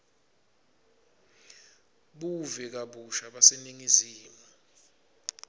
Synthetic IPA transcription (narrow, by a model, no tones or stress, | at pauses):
ɓuvɛk̬aɓuʃaɓaseniŋiziːma